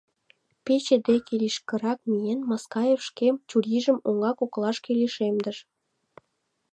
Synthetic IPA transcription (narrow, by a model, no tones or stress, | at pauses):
pet͡ɕed̪ekeliʃkə̆ɾɑk̚mijenmɑskɑjefʃkemt͡ɕuɾʲiʒə̆moŋɑkoklˠɑʃkeleʃemd̪ə̆ʃ